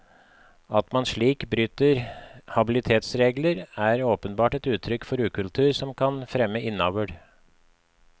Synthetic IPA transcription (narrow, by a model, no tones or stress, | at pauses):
ɑt̪mɑnʂɭiːkbɾyːt̪əɾhɑbɪlɪt̪ʰeːt̪sɾeːɡləɾæːɾoːpənbɑːʈɛt̪ʉːt̪ʰɾʏkfɔɾʉːkʉlt̪ʰʉːɾsɔmkʰɑnfɾɛmːəʔɪnːɑːʋəɖ